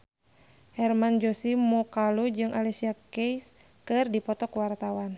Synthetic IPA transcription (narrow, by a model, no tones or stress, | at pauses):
hɛrmand͡ʒɔsimɔkalud͡ʒɨŋʔalisiakejs | kɨrdipɔt̪ɔkwart̪awan